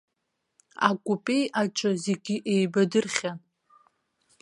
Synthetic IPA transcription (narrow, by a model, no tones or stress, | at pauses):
a̰kʷʼupʼe̞jaʈ͡ʂʼɨze̞ɡʲiʔejbadɨrχʲan